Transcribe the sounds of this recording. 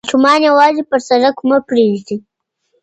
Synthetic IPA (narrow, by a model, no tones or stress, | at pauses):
ʃumɑːnjawɑzipəɾsaɾakʰʊmapɾeʒd̪i